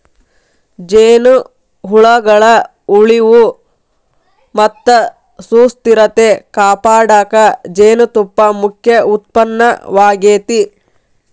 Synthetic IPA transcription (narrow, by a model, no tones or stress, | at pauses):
d͡ʒeːnu | ɦuɭɐɡɐɭɐ | uɭiʋu | mɐt̪ːɐ | suːst̪iɾɐt̪ekaːpaːɽaːkɐd͡ʒeːnut̪upːɐmukʰjɐʔut̪̚pɐnːɐʋaːɡeːt̪i